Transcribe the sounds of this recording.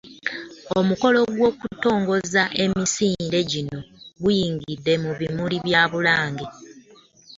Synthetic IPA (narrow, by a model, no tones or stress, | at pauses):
o̞muko̞lo̞ɡwo̞ːkuto̞ːŋɡo̞zaʔe̞misiːnde̞ɟino̞ɡujiːŋɡidːe̞muβimuliβjaːβulaːŋɡe